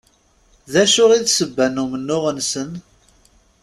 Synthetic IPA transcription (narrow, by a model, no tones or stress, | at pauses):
ðæʃʊʁiðsəbːænːumənːʊʁənsən